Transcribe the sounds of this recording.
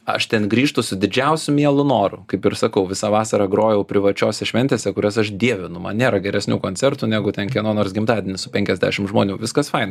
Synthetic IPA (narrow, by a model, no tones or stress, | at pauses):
ɐ̰ʃt̪ʲɛnɡɾʲiːʃt̪ʊsʊd̪ʲɪd͡ʒʲɛʊsʲʊmʲiɛlˠʊnoːɾʊkɐɪpɪɾsɐkɐʊʋʲɪsɑʋɑːsɐɾɑɡɾoːjɛʊpʲɾʲɪʋɐt͡ʃʲoːsʲɛʃʲʋʲɛnt̪ʲeːsʲɛkʊɾʲɛsɐʃd̪ʲiɛʋʲɪnʊmɐ̰nnʲeːɾɐɡʲɛɾʲɛsʲnʲuːkoːnʲt͡sʲɛrt̪unʲæːɡʊt̪ʲɛnkʲiɛnoːnoːɾs̬ɡʲɪmt̪ɑːd̪ʲɪnʲɪsʊpʲɛŋʲkʲɛzʲdʲæ̰ːʃʲɪmʒmoːnʲuːʋʲɪskɐsfɐɪnɐ